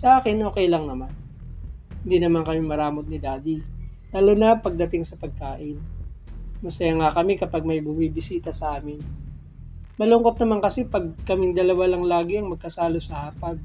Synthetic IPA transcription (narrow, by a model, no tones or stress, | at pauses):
sɐʔaːkɪnʔo̞ːkɛjlɐŋnɐman | hɪnd̪iːnɐmankɐmɪmɐɾaːmot̪̚nɪd̪aːd̪ilaːlonɐpɐɡ̚d̪ɐt̪ɪŋsɐpɐɡ̚kaːʔɪn | mɐsɐjaŋakɐmɪkɐpaɡ̚mɐjbumibɪsiːt̪ɐsɐʔaːmɪn | mɐloŋkot̪̚nɐmankɐsɛpɐɡ̚kɐmɪŋd̪ɐlɐwalɐŋlaːɡɪɐŋmɐɡ̚kɐsaːlosɐhaːpɐɡ